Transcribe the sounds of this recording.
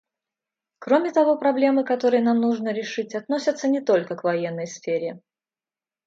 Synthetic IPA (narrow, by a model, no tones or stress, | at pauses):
kɾo̞mʲɪt̪ɐvo̞pɾɐblʲe̞mɨkɐt̪o̞ɾɨjənamnuʐnəɾʲɪʂɨtʲɐt̪no̞sʲət̪sənʲɪt̪o̞lʲkəkvɐjenːəjsfʲeɾʲɪ